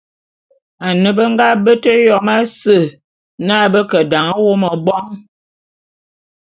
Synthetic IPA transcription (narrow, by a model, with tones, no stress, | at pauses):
a˨nə˨bə˦ŋ˦ɡa˦bə˦tə˦jɔ˨ma˦sə˦˨ | na˦˨bə˦kə˨da˨ŋə˦wo˦mə˨bɔ˦ŋ